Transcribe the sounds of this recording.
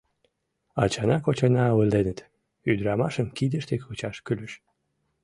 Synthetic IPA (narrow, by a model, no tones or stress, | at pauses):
ɑt͡ɕɑnɑkot͡ɕɑnɑβəld̪enət̪ | yd̪ɾɑmɑʃəmkid̪əʃt̪ekut͡ɕɑʃkyləʃ